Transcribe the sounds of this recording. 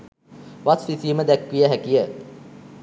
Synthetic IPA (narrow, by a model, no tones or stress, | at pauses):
ʋasʋisiːməd̪ɛkːʋijəɦækijə